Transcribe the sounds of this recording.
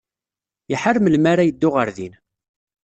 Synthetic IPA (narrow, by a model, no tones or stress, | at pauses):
jəħəɾmlmaɾajəd̪ːʊʁəɾðḭn